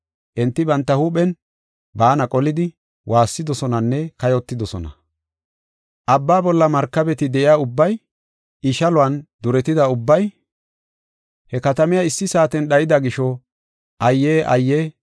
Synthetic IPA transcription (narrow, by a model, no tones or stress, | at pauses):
ʔɛnt̪ːɪbɐnt̪ːɐhuːpɛn | baːnɐkʼɔlɪd̪ɪ | wʔaːsːɪd̪ɔsɔnɐnːɛkɐjɔt̪ːɪd̪ɔsɔnɐ̰ | ʔɐbːaːbɔlːɐmɐɾkːɐbɛt̪ɪd̪ɛʔɪjaːʊbːɐj | ɪʃɐlʊɐnd̪ʊɾɛt̪ɪd̪ɐʊbːɐj | hɛkɐt̪ɐmɪjaɪsːɪsaːt̪ɛnɗɐjɪd̪ɐɡɪʃɔ | ʔɐjːeːʔɐ̰jːeː